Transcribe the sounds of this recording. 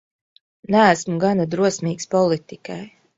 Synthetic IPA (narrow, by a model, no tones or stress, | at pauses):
næːsmuɡanad̪ɾuɔsmʲiːkspɔlˠit̪ikaj